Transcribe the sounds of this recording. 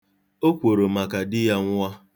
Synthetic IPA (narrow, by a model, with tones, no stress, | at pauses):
o˦kʷo˨ɾo˨ma˨ka˨dɪ˦ja˦ŋʷ˦a˦